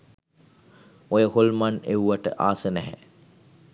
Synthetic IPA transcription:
ojəholmanewʋaʈə̰ʔaːsənɛɦɛ̰

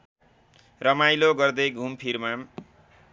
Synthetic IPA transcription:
rʌmajloɡʌrd̪ʌjɡʱumpʰirmam

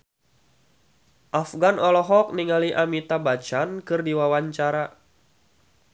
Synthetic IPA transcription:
ʔafɡanɔlɔɦɔk̚niŋaliʔamit̪abat͡ʃankɨrdiwawaɲt͡ʃaɾa

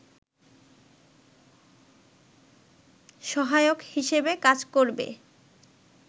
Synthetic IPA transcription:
ʃɔɦajokhiʃebekad͡ʑkoɾbḛ

